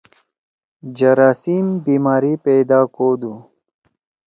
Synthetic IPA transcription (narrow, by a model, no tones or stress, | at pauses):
d͡ʑɐɾaːsimbiːmaːɾiped̪aːkoːd̪u